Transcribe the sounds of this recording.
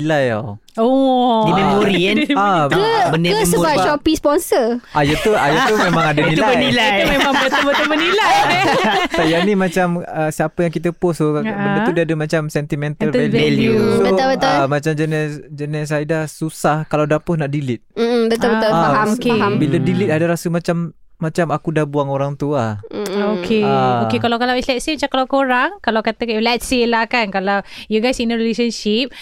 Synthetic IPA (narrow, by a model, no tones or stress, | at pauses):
nilaja̰w | odimemoɾinaəbənɪəəbat͡ʃɔpispɔnsəʔajat̪uajat̪umemãŋadənit̪ulabənilajmemaŋbət̪əbət̪əbənilaj | sajanimat͡ʃaməsiapəjaŋkit̪əpʊsobənət̪udiadəmat͡ʃamsɛnt̪imɛnt̪əlɛɛljubəabət̪amat͡ʃamd͡ʒənɛsd͡ʒənɛs̬ajdahsusahkalawdapʊhnaʔdilɪt̪̚m̩m̩bət̪ɔbət̪ɔaaokeaɦambilədilɪt̪̚adaɾasəmat͡ʃamː | at͡ʃamakudahbuaŋoɾaŋt̪uaokʰeaokekalawkalawɛslɛt̪simat͡ʃamkalawkoɾaŋkalawkat̪əkalɛt̪silakankalawjuɡajsinəɾilesənʃip̚